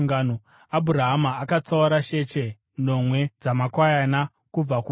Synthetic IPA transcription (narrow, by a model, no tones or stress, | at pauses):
ŋɡaːno | abʱuɾaɦamaːkat͡sauɾaʃe̞t͡ʃe̞ | no̞mwe̞d͡zamakwajana | kub͡vaku